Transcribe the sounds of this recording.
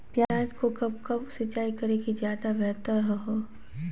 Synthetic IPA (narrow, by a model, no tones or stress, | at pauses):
pjaːd͡ʒkokɐb̚kɐbsɪt͡ʃaːikɐɾekizjaːd̪abɛɦt̪əɾɦəɦoː